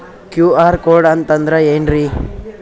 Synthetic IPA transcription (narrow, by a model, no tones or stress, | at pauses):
kjuːaːɾkoːɖɐnt̪ɐnd̪ɾeenɾi